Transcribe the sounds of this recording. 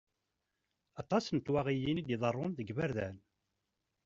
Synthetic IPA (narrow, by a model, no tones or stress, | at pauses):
ɑt̪ˤɑsnt̪waʁijinid̪eðˤərˤːonðəɡvæɾðæn